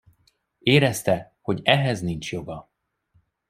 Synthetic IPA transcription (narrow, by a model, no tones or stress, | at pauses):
eːɾɛst̪ɛ | ho̞ɟɛɦɛznint͡ʃjo̞ɡɒ